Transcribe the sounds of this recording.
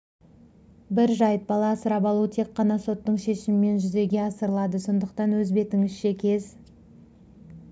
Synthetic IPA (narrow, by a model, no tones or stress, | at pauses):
bɪɾʒɑjt̪̚bɑlˠɑsəɾɑpɑlˠut̪ʰe̞kːɑnɑso̞t̪ːəɴʃe̞ʃɪmɪme̞nʒʏze̞ɡʲe̞ɑsəɾəlˠɑd̪əso̞nd̪əqt̪ɑnwɵzbe̞t̪ɪŋɪʃʃekʲʰe̞z